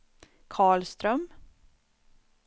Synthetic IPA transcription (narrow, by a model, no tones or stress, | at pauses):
kʰɑːɭst̪ɾœm